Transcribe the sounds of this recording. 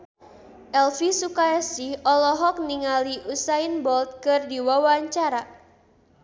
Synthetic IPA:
ʔɛlfisukajasihɔlɔɦɔk̚niŋaliʔusainbɔlt̪̚kɨrdiwawaɲt͡ʃaɾa

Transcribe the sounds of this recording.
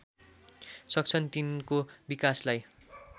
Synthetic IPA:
sʌk̚t͡sʰʌnt̪inkobikaslaj

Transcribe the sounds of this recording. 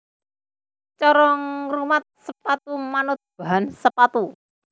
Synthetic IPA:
t͡ʃɔɾɔŋrumat̪̚səpat̪umanʊt̪̚b̥a̤ɦansəpat̪u

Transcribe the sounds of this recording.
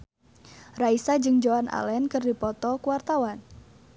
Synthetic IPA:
raisad͡ʒɨŋd͡ʒowanʔa̰lɛnkɨrdipɔt̪ɔkuwart̪awan

